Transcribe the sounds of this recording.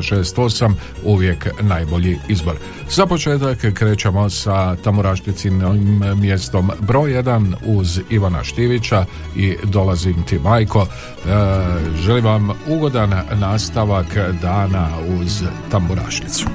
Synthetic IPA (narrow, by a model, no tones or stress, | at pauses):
ʃe̞ːst̪o̞sam | uʋje̞knaːjbo̞ʎiizbo̞ɾ | zapo̞t͡ʃe̞ːt̪akːɾe̞ːt͡ʃemo̞sat̪ambuɾaʃt̪it̪simːje̞st̪o̞mbɾo̞je̞d̪anuziʋana̰ʃt̪iʋit͡ʃa | id̪o̞lazimt̪imaːjkʰo̞ | ʒe̞limʋamuɡo̞d̪anːaːst̪aʋakd̪aːnauzt̪ambuɾa̰ʃit̪su̥